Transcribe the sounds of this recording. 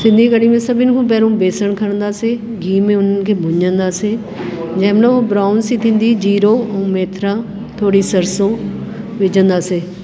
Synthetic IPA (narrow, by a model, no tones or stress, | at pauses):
sɪ̃nd̪ʱiːkəɽiːmẽːsəbɪnkʰũːpɛːɾõːbeːsəɳkʰəɳ̃nd̪aːseː | ɡiːmẽːʊnkeːbʊɲd͡ʒənd̪aːseː | d͡ʒɛ̃ːmloːoːbɾaːʊnsiːt̪ʰɪ̃nd̪iːd͡ʒiːɾõːmeːt̪ʰɾaː | t̪ʰoːɽiːsəɾsõː | ʋɪd͡ʒənd̪aːseː